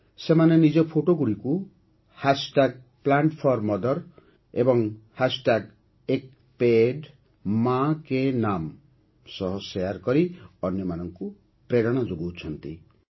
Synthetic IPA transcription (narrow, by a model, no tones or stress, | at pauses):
semanenid͡ʒɔpʰoʈoɡuɽiku | hasʈaɡ̚ | plaɳʈpʰɔɾmɔd̪ɔɾ | ebɔŋhasʈaɡ | ek | peɖ | makenam | sɔɦɔsejaɾkɔɾiɔnjɔmanɔŋku | pɾeɽɔɽ̃ɔd͡ʒoɡuwt͡ʃʰɔnt̪ḭ